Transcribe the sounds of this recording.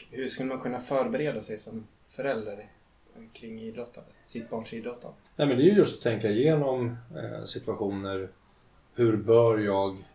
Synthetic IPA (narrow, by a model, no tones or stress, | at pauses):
hɵʂkɵlːəmankʰɵnːafœːɾbɛɾeːd̪asɛjsɔm | fœɾɛld̪aɾ | kʰɾɪŋːiːd̪ɾɔt̪ʰːand̪əsɪt̪̚bɑːɳʂiːd̪ɾɔt̪ʰːa̰nd̪ənɛːmɛnd̪ɛjɵjɵst̪t̪ʰːɛŋkaɪjeːnɔm̰sɪt̪ɵaɧuːnəɾ | hɵɾbœːɾjɑːɡ